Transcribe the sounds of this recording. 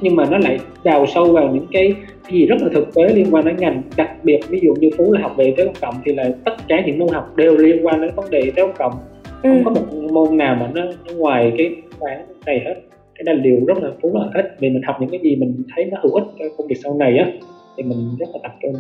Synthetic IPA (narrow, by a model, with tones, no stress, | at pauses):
ɲɨ˧ŋmaː˨˩nɔ˨˦la̰ː˧˨j | ɗaː˨˩wsə˧wvaː˨˩wɲɨ̰˧˥ŋkaː˨˦j | kaː˨˦jzi˨˩zə˦˥t̚laː˨˩ɨ˨˩k̚t̪e˨˦li˧ənkwaː˧nɗe˨˦nŋa˨˩jŋɗa˨˩k̚ɓi˨˩ət̚vi˨˦zṵ˧˨ɲɨ˧fu˨˦laː˨˩ɦa˨˩wk͡p̚ve˨˩t̪e˨˦ʔə˧ŋ͡mkə̰˧˨wŋ͡mt̪ʰi˨˩la̰ː˨˩t̪ə˦˥t̚kaː˧˩ɲɨ̰˧˥ŋmo˧nɦa˨˩wk͡p̚ɗe˨˩wli˧ənkwaː˧nɗe˨˦nvə˨˦nɗe˨˩t̪e˨˦ʔə˧˩ŋ͡mkə̰˧˨wŋ͡m | ə˧˩˧ŋ͡mkɔ˨˦mo˨˩t̚mo˧nnaː˨˩wmaː˨˩nɔ˨˦nɔ˨˦ŋwaː˨˩jkaː˨˦jxaː˨˦ŋna˨˩jhe˦˥t̚ | kaː˨˦jɗa˨˧˩j̚ɗi˨˩əwzə˦˥t̚laː˨˩fu˨˦laː˨˩he˦˥t̚vi˨˩mï̟˨˩hɔ˨˩wk͡p̚ɲɨ̰˧˥ŋkaː˨˦jzi˨˩mï˨˩ŋ̟t̪ʰə˨˦jnɔ˨˦hɨ˧˩whɨ˦˥t̚t͡ɕɔ˧kə˧ŋ͡mvi˨ək̚sa˧wna˨˩jʔaː˨˦t̪ʰi˨˩mï˨˩ŋ̟zə˦˥t̚laː˨˩t̪a˨˩p̚t͡ɕə˧n